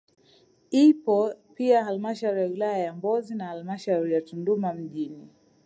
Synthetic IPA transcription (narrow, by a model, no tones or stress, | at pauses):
ipɔpiaɦalimaʃauɾijawilajajambɔzinahalimaʃauɾijatundumam̩ʄini